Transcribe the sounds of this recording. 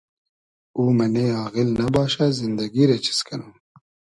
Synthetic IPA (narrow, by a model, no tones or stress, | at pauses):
uːmɐneɑːɣilnɐbɑːɕazind̪ɐɡiɾet͡ɕʰi̥skʰɐnuː